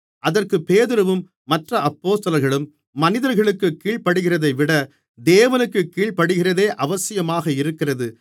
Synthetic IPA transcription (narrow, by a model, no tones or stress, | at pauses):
ʔɐðɐrkɯpeːðɯɾɯʋɯmː | ɐʈrɐɐpːoːst̪ɐlɐɾɣɐɭɯmː | ɐnɪðɐɾɣɐɭɯkːɯkːiːɭpɐɽɯɣɪrɐðɐɪʋɪɽɐ | d̪eːʋɐnɯkːɯkːiːɭpɐɽɯɣɪrɐðeːʔɐʋɐsɪjɐmaːɣɐɪɾɯkːɪrɐðɯ